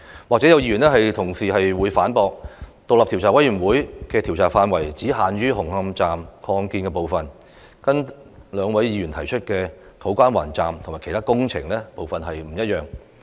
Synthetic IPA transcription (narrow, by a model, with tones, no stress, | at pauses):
waː˨k̚t͡sɛ˨˥jɐ˨˧wjiː˧y˨˩nɛː˥hɐ˨jt̪ʰʊ˨˩ŋsiː˨ɦɐ˨jwuː˨˧jfaː˨˥npɔː˧k̚t̪o˨k̚lɐ˨p̚t̪i˨˩wt͡saː˨˩wɐ˨˥jyː˨˩nwuː˨˥jkɛː˧t̪ʰi˨˩wt͡saː˨˩faː˧nwɐ˨˩jt͡siː˨˥ɦaː˨nɥyː˥ɦʊ˨˩ŋhɐ˧mt͡saː˨mkʰɔː˧ŋkiː˧nkɛː˧po˨wfɐ˨n | kɐ˥n | lœː˨˧ŋwɐ˨˥jjiː˧jy˨˩nt̪ʰɐ˨˩jt͡ʃʰɵ˥t̚kɛː˧ | t̪ʰo˨˥wkʷaː˥nwa̰ː˨˩nt͡saː˨mt̪ʰʊ˨˩ma˨kʰt̪ʰaː˥kʊ˥ŋt͡sʰɪ̰˨˩ŋlɛː˥po˨wfɐ˨nɦɐ˨jm̩˨˩jɐ˥t̚jœː˨ŋ